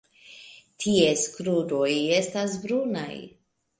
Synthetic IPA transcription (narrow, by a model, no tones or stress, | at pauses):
tʰie̞skɾudo̞je̞stasbɾuna̰j